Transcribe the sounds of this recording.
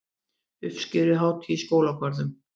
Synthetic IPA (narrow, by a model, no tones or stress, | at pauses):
ʏfscɪɾʏɦaːwt̪ʰiskoːwlakʰvaɾðʏm